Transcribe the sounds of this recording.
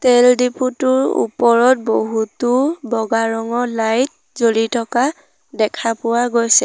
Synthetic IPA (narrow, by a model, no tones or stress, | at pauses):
tɛldiputʊɹṵpɔɹɔt̚boɦutʊbɔɡaɹɔŋɔlajt̚ | zolitʰɔka | dɛkʰapʊwaɡojsɛ